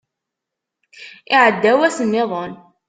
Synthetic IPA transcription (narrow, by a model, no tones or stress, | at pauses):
ɪʕəd̪ːæwæsənːɪðˤon